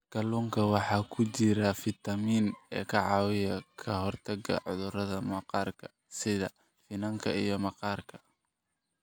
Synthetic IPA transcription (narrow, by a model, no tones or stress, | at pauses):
ɡ̥ɐluːŋkʰɐwɑħɑːkʰʊt͡ʃɪɾɐfɪt̪ʰɐmiːnɛːkʰɐʕɑːwɪjɐkʰɐɦɔrt̪ʰɐɡɐ̰ʕʊðʊrɐðɐmɐqɑːrkʰɐ̥ | sɪðɐ | fɪnɐŋkʰɐijɞmɐqɑːrkʰɐ̥